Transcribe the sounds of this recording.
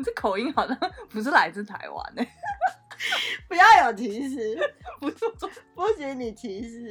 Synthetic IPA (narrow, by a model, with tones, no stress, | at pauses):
ʂ̩˥˩kʰo˨˩ʊi˥ŋxɑ˨˩ʊɕjɑ˥˧˩ŋpu˧˥ʂ̬̩˥˩la˧˥ɪt͡sɹ̩˥˩t̪ʰa˧˥ɪwa̰˧˥˦nd̪ə˧˩ | pu˧˥jɑ˥˩ʊjo˨˩t̪ʰi˧˥ɕi˧˥pu˧˥o˥˩t͡sfu˥ɕi˧˥ni˨˩t̪ʰi˧˥ɕi˧˥